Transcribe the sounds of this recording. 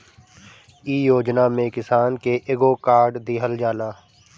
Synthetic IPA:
iːjoːd͡ʒnaːmẽkɪsaːnkeʔeːɡoːkaːɾɖd̪iːɦəld͡ʒaːlaː

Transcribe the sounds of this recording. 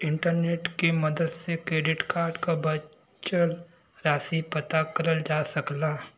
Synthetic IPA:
ɪ̃ɳʈəɾneːʈkemɐd̪əd̪sekɾeːɖɪʈkaːɾɖkabɐ | t͡ʃəl | ɾaːsipɐt̪akɐɾəld͡ʒaːsɐklaː

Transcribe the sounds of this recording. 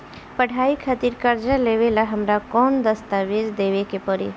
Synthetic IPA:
pəɽ̤ʰʱaikʰat̪iɾkəɾd͡ʒaleʋelaɦəmɾakɔnd̪əst̪aʋed͡ʒd̪eʋekepəɾḛ

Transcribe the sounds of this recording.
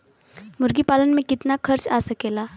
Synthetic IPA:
mʊɾɡipaːlənmẽkɪt̪nakʰɐɾt͡ʃaːsɐkeːlaː

